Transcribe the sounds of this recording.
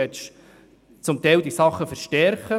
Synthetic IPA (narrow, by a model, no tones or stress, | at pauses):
ɛt͡ʃ | t͡sʊmt̪ɛɪld̪isɑχːəfəɾʃtɛɾχə